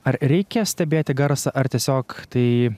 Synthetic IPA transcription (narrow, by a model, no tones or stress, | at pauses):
ɐɾɾʲɛɪkʲɛsʲt̪ʲɛbʲeːt̪ʲɪɡɐɾsɐʔɐɾt̪ʲiɛsʲoːkt̪ɐɪ